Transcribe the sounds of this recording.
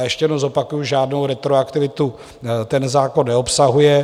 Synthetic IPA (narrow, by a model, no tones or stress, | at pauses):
jɛʃcɛjɛdnozo̞pakujuʒaːdnowɾɛt̪ɾoakt̪ɪvɪt̪u | t̪ɛnzaːko̞nːɛopsaɦujɛ